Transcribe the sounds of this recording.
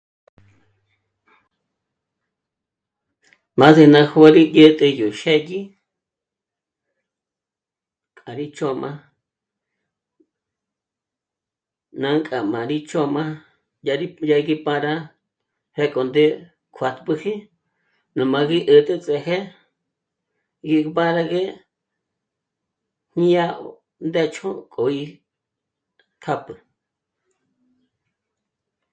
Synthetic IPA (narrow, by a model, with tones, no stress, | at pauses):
mã˦se˧nã˧hu˦a˦ɾi˦də˦t̪ʼe˧ju˨ʃe˦ji˦ | kʼa˨ɾi˦t͡ʃo˦mã˦ | nã˧ŋkʼa˨mã˨ɾi˦t͡ʃo˦mã˦ | jaɾi˦ja˦˧ɣi˦pã˦ɾa˦ | he˦kʼo˨nd̪e˦ | kʰa˧t̪pɨ˧hĩ˦ | nũ˨mã˧ɣi˦ʔə˨t̪ʼe˦t͡sʼe˧˨ɦe˦ | ɡi˧pã˦ɾa˧ɣe˦ | hɲĩ˦ja˦ | nd̪e˦t͡ʃʰõ˦kʼo˨i˧ | kʰa˦pɨ˨